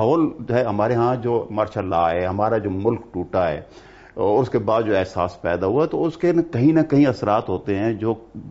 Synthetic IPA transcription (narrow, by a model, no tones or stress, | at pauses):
ɦoːld͡ʒoɦɛɦɐmaːɾeɦãd͡ʒoːmɐɾʃalaːɦɛːɦɐmaːɾad͡ʒoːmʊlkʈuːʈaɦɛ̰ː | ɔːɾʊskebaːd̪d͡ʒoːɛɦsa̰ːspɛ̰ːd̪aɦuaɦɛt̪oʊskenkɐɦĩnɐkɐɦĩɐsɾaːt̪ɦoːt̪eɦɛ̃ːd͡ʒoː